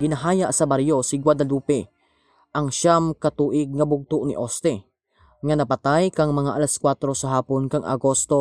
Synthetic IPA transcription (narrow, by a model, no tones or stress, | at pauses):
ɡɪnɐɦaːjaʔsɐbaɾjosɪɡwad̪ɐluːpɛ | ʔɐŋʃamkɐt̪uːʔɪɡ̚ŋɐbʊɡ̚t̪ʊʔnɪ̰ʔost̪ɛ | ŋɐnɐpɐt̪ajkɐŋmɐŋaʔɐlɐskwat̪ɾo̞sɐɦaːponkɐŋʔɐ̰ɡost̪o̞